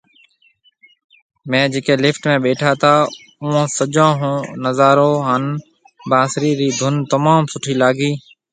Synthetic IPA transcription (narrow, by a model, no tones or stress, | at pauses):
mẽːd͡ʒeːkẽːlɪfʈmẽːɓeːʈʰaːt̪ʰaː | ʊõːsəd͡ʒãːɦõːnəzaːɾoːɦən | baːsɾiːɾiːd̪ʱʊnt̪əmaːmsʊʈʰiːlaːɡiː